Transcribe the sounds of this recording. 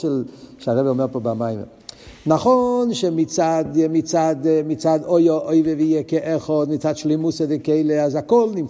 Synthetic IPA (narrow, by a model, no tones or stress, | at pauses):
ɛlʃaʁɛbɛɔmeʁpobamajmḛ | naχonʃemit͡sad̪mit͡sad̪mit͡sad̪ojoʔojveveijɛkeʔeχod̪mit͡sad̪ʃlimusedekejleazakɔlnim